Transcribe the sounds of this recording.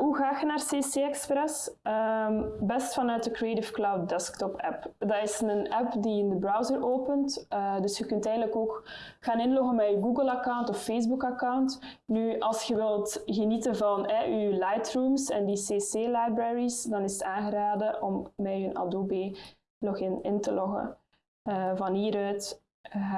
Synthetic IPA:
ɦuɣaːxənaːrseːseːɛksprɛsəmbɛstfɑnœːt̚dəkrietɪfklawt̚dɛsktɔpɛpdɑtɪsnənɛpdiɪndəbrawzəroːpəntədɵsxəkɵntɛːjɣədləkoːk | xaːnɪnlɔɣənmɛyɡuːɡəlˠakawntɔfːezbukɑkawnt | nyʔɑlˠsxəʋɪlˠtɣənitənvɑnɛʔylajtruːmsɛ̰ndiseːseːlajbrɛɹisdɑnɪsətaːnɣəɾaːdəʔɔmːɛønɑ̰doːbeː | lɔxɪnɪntəlɔɣə̰ | vɑnɦiːɾœːt

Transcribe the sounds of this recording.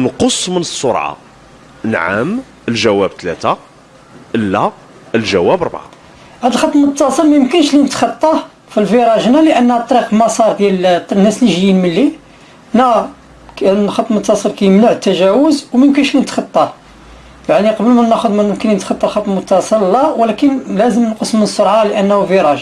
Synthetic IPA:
nqosˤːmənəsˤːʊɾˤʕɑ̰ | nʕa̰m | əlʒæwæb̚t̪læ̰t̪a | ʔəlːæ | əlʒæwæbɾˤbʕa̰ | hæd̪əlxɑt̪ˤːmt̪ːɑsˤəlmæjəmkənʃlinət̪xɑt̪ˤːɑ | filfiɾˤɑʒnæləʔənːhæt̪ˤːɾiqlmɑsˤɑɾˤd̪jælnːæsliʒjinmənːi | næ | kxɑt̪ˤːmət̪ːɑsˤəlkæjəmlaʕt̪ːæʒæwəzwmæjəmkənʃlinət̪xɑt̪ˤːɑ | jaʕniqɑbəlmænæxʊd̪mænəmkəninət̪xɑt̪ˤːɑlxɑt̪ˤːmot̪ːɑsˤəllːæwəlækənlæzəmnqosmənsˤoɾˤʕɑləʔənːhufiɾˤɑʒ

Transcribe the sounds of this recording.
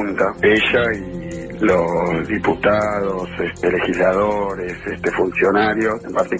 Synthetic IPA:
nt̪aeʃai | losðiput̪aðosest̪elexizlaðoɾesest̪efunsjonaɾjosempaɾt̪i

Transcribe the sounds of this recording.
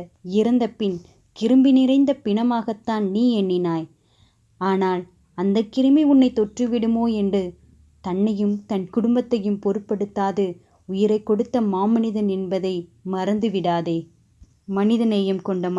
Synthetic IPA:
ɪɾɐnd̪ɐpːɪn | kɪɾɯmbɪnɪɾɐɪnd̪ɐpɪɳɐmaːɣɐt̪ːaːnniːɛɳːɪnaːj | aːnaːl | ɐnd̪ɐkːɪɾɯmiʊnːɐɪt̪ːɔʈrɯʋɪɽɯmoːɛndrɯ | t̪ɐnːɐjɯmt̪ɐnkʊɽʊmbɐt̪ːɐjɯmpɔɾɯpːɐɽɯt̪ːaːðɯ | ʊjɪɾɐɪkːɔɽɯt̪ːɐmaːmɐnɪðɐnɛnbɐðɐɪmɐɾɐnd̪ɯʋɪɽaːðeː | mɐnɪðɐnɐjɯmkɔɳɖɐm

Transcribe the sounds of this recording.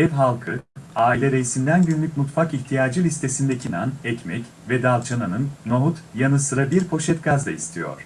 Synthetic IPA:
ɛvɦalˠkʰɯaːilʲɛɾejisind̪ænɟynlʲyc̚ʲmut̪fakiçt̪ʰijaːd͡ʒɯlʲist̪ʰe̞sind̪ɛcʰinanɛcmɛc | vɛd̪alˠt͡ʃʰananɯnːoɦut̪janɯsɯɾabiɾpʰo̞ʃɛt̪ɡazd̪aist̪ʰijo̞̰ɾ̥

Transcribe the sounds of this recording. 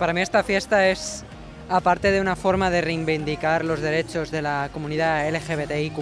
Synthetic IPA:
paɾamiest̪afjest̪aes | apaɾt̪eðeunafo̞ɾmað̞erejmbind̪ikaɾlo̞zðe̞ɾet͡ʃo̞zðe̞lakomũniðaelexeβet̪eiku

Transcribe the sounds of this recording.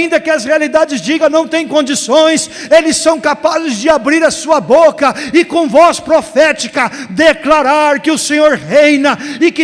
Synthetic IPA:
ĩnd̪ɐkɪɐshealid̪ad͡ʒɪzd͡ʒiɡɐ̃nɐ̃w̃t̪ẽj̃kõnd͡ʒisõj̃selɪsːɐ̃w̃kapazɪzd͡ʒɪabɾiɾɐsuɐbokɐɪkõvɔspɾofɛt͡ʃikɐd̪eklaɾaɾkɪʊsẽɲoɾhejnɐɪkɪ

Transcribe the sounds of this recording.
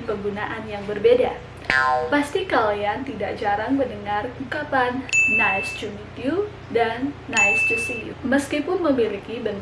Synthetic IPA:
pəɡunaʔanjaŋbərbeda̰ | past̪ikaliant̪idaʔd͡ʒaɾaŋməndəŋarukapanːajsd͡ʒunit̪iu | danːaisd͡ʒusiṵməskipʊnməmilikibən

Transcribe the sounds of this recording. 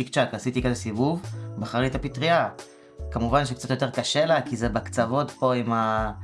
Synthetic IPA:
ikt͡ʃakasit̪ikazesivuvbaχaʁit̪apitʁia | kamuvanʃ̬ekt͡sat̪jo̞t̪̬e̞ʁkaʃelakizebakt͡savo̞tpo̞ima

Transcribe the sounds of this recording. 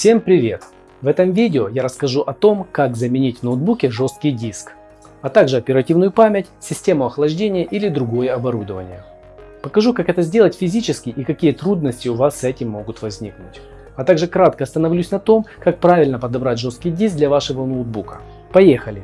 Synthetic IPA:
fsʲe̞mpɾʲɪvʲe̞̰t̪ | vɛt̪əmvʲidʲɪojaɾəskɐʐuʔɐt̪o̞mkakzəmʲɪnʲitʲvnowd̪̚bukʲɪʐo̞st̪̚kʲɪjdʲisk | ɐt̪aɡʐɨɐpʲɪɾɐtʲivnʊjʊpamʲɪtʲsʲɪsʲtʲe̞mʊɐxlˠɐʐdʲenʲɪjəʔilʲɪd̪ɾʊɡo̞jəɐbɐɾud̪əvənʲɪjə | pəkɐʐukakɛt̪əzʲdʲelˠətʲfʲɪzʲit͡ɕɪskʲɪjʔikɐkʲijət̪ɾud̪̚nəsʲtʲɪʊvasːɛtʲɪmːo̞ɡʊt̪vɐzʲnʲiknʊ̰tʲ | ɐt̪aɡʐɨkɾat̪kəɐst̪ənɐvlʲusʲnɐt̪o̞mkak̚pɾavʲɪlʲnəpəd̪ɐbɾatʲʐo̞st̪kʲɪjdʲis̬ɡ̚d̪lʲɐvaʂɨvənowd̪̚bukə̥̰ | pɐjexəlʲɪ

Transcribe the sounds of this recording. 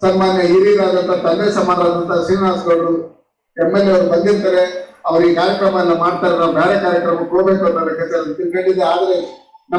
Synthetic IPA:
sɐnmaːnjɐɦiɾiːɾaːd̪ɐnt̪ɐt̪ɐlːeːsɐmaːɾaːd̪ɐnt̪ɐsiːnaːsɡɐɭɾu | emːelːeɐʋɐɾubɐnd̪iɾt̪aːɾe̞ɐʋɐɾuiːkaːɾjɐkɾɐmɐɐlːɐmaːɖt̪aːɾɐɾɐbʱjaːɽekaːɾjɐkɾɐmɐukoːbe̞ːkuɐnt̪ɐlːɐket̪ɐɾt̪inkeɭːid̪eaːd̪ɐɾe̞nɐ

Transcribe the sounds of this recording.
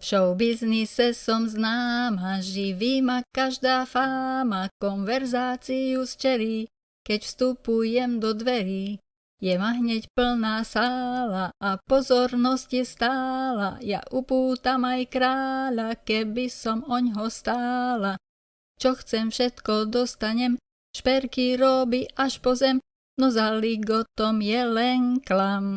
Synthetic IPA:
fʃɔʊbiznisɛsɔmznaːmaʒiʋimakaʒd̪aːfaːmakɔnʋɛɾzaːt͡sijust͡ʃɛli | kɛcfst̪upujɛmd̪ɔd̪ʋɛɾi | jɛmaɦɲɛcpl̩naːsaːlaʔapɔzɔɾnɔscjɛst̪aːla̰ja̰ʔupuːt̪amajkɾaːʎakɛbisɔmɔɲɦɔst̪aːla | t͡ʃɔxt͡sɛmfʃɛt̪kɔd̪ɔst̪aɲɛm | ʃpɛɾkiɾɔbiʔaʃpɔzɛm | nɔzaliɡɔt̪ɔmjɛlɛnklam

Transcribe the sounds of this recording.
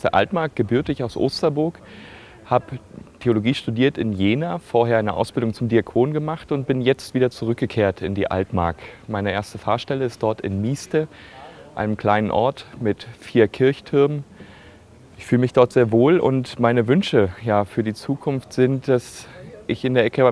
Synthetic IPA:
sd̥eɐʔa̰ltmaɐkt̚ɡ̥əbyːɐtəɪçaʊsʔo̰ːstɐbʊɐk | haːbətʰeoloɡiːʃtudiːɐtɪnjeːnaːfoːɐheːɐʔaɪnəʔa̰ʊsb̥ɪldʊŋt͡sʊmdiakʰoːnɡəmaχtʊnt̚b̥ɪnjɛt͡stv̥iːdɐt͡suʁ̞ʏk̚ɡ̥əkʰeːɐtʰɪndiːʔa̰ltma̰ɐkmaɪnəʔeːɐstəfaːɐʃtɛləɪst̚d̥ɔɐtɪ̰nmiːstəʔa̰ɪnəmkʰl̥aɪnənʔɔɐtmɪtfiːɐkʰɪɐçtʰʊɐmn | ʔɪçfyːləmɪçd̥ɔɐtz̥eːɐvoːlʔʊ̰ntmaɪnəvʏnʃəjaːfyːɐdiːt͡suːkʰʊnftz̥ɪntd̥asʔɪçɪndeːɐʔɛkə

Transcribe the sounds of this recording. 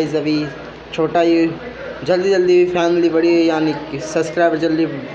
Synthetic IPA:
izɐbʱi | t͡ʃʰoːʈaːio | d͡ʒɐld̪id͡ʒɐld̪ifɛːmɪliʋɐɽiɦojaːniksɐbskɾaːɪbəɾd͡ʒɐld̪i

